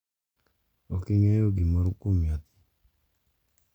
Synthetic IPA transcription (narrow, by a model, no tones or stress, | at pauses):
okɪŋɛjoɡimɔɾokomjat̪